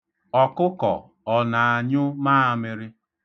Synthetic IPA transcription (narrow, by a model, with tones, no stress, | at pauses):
ɔ˨kʊ˦kɔ̰˨ | ɔ˨na˨a˨ɲʊ˦maː˦˨a˨mɪ˦ɾɪ˦